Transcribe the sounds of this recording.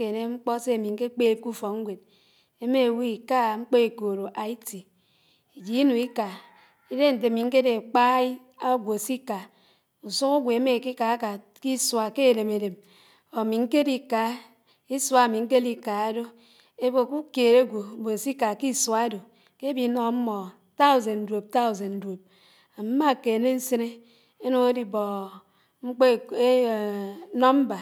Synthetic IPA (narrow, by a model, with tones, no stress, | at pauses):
e˨ne˦ŋ͡m̩˦k͡pɔ˦se˦a˨mi˨ŋ̩˦ke˦k͡pe˦˨p̚ku˦fo˨kŋ̩˦ɡʷe˨d̚ | e˦me˦˨wi˦i˨ka˦˨ŋ͡m̩˦k͡po˦e˨ko˨ɾo˨ʔa˨i˦ti˨ | i˨d͡ʒi˨˦i˦nu˨i˦ka˨ | i˦de˦n̩˨t̬e˨mi˨ŋ̩˦ke˦de˨k͡pa˦ | a˦ɡʷo˨si˦ka˨ | u˨su˦ku˦ɡʷe˨e˦me˨ki˦ka˨˦ka˨ | ki˦swa˨ke˦e˨le˨me˨de˨m | o˨mi˨ŋ̩˦ke˦di˨ka˨˦ | i˦swa˨mi˨ŋ̩˦ke˦di˨ka˨a˦do˦ | e˦bo˨ku˦ke˨ɾe˦ɡʷo˨bo˨si˦ka˨ki˦swa˨˦do˨ | ke˦bi˨˦nɔ˨˦m̩˦mɔ˨ | ta˦u˨ze˨n˨dwo˨p̚ta˦u˨ze˨n˨do˨p̚ | a˨m̩˦ma˦˨ke˨ne˦n̩˦se˦ne˦ | e˦nu˦ŋe˦di˨bɔ˨ | ŋ͡m̩˦k͡pe˦˨e˦˨˦nɔ˦m̩˦ba˨